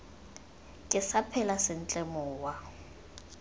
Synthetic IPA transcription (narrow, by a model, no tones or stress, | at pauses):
kʼɪsapʰɛlasɪn̩t͡ɬʼɪmɔːwa